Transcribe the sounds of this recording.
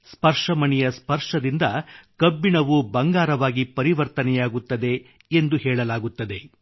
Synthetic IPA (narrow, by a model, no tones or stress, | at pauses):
spɐɾʂɐmɐɳɛjɐspɐɾʂɐd̪ind̪ɐkɐbːiɳɐʋubɐŋɡaːɾɐʋaːɡipɐɾiʋɐɾt̪ɐnɛjaːɡut̪ːɐd̪e̞ | end̪uhɛːɭɐlaːɡut̪ːɐd̪e̞